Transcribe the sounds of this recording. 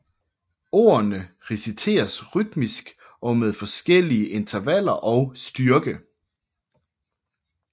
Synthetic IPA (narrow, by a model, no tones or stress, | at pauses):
o̝̰ːɐnə | ʁɛsit͡sʰe̝̰ːɐsʁyd̥misɡ̥ | ʔɒ̽meðˠfɒ̽sɡ̥el̰iəʔe̝nt͡sʰɐʋæl̰ɐʔɒ̽ʊsd̥yɐɡ̥ə